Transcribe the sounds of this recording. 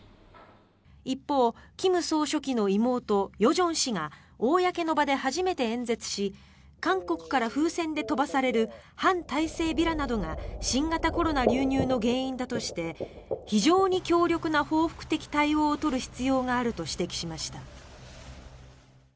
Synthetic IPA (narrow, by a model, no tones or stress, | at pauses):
ipːo̞ːkʲimɯ̟so̞ːɕo̞kʲino̞imo̞ːt̪o̞jo̞ʑõ̞ɰ̃ɕiŋa | oːjake̞no̞bad̪e̞haʑime̞t̪e̞ẽ̞nd͡ze̞t͡sɨ̥ɕi | kãŋko̞kɯ̟̥kaɾaɸɯ̟ːsẽ̞nd̪e̞t̪o̞basaɾe̞ɾɯ̟hãnt̪aise̞ːbʲiɾanad̪o̞ŋaɕĩŋɡat̪ako̞ɾo̞naɾʲɨːɲ̟ɨːno̞ɡẽ̞ːĩnd̪at̪o̞ɕi̥t̪e̞ | çiʑo̞ːɲ̟ikʲo̞ːɾʲo̞kɯ̟naho̞ːɸɯ̥kɯ̥t̪e̞kʲi̥t̪aio̞ːt̪o̞ɾɯ̟çi̥t͡sɨjo̞ːŋaːɾɯ̟t̪o̞ɕi̥t̪e̞kʲi̥ɕimaɕi̥t̪a